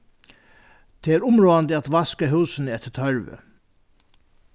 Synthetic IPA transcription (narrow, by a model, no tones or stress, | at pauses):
t̪ʰeːæːɾʊmɹoːand̪ɪat̪ʋaskaɦuːsənəɛt̪ːə̥t̪ʰœɹʋə̰